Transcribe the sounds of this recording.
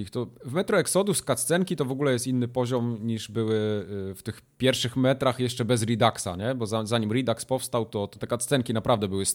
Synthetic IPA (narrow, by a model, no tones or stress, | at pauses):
ixt̪ɔvmɛt̪ɾɔɛksɔd̪uskat̪st̪sɛŋkʲit̪ɔvɔɡulɛjɛst̪inːɘpɔʑɔmɲiʐbɘwɘft̪ɘx | pʲjɛɾfʂɘxmɛt̪ɾaxjɛʂt͡ʂɛbɛzɾʲid̪aksa̰ɲɛbɔzazaɲimɾid̪akspɔfst̪awt̪ɔt̪ɔt̪ɛkat̪ssɛŋkʲinapɾavd̪ɛbɘwɘs